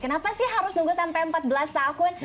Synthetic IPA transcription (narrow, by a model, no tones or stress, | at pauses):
kənapasɪhɦaɾʊsnuŋɡusampajəmpat̪̚bəlast̪akʊn